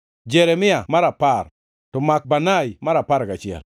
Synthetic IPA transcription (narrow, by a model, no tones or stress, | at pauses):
d͡ʒɛɾɛmɪamaɾapar | tɔmak̚banajmaɾapaɾkat͡ʃɪɛ̰l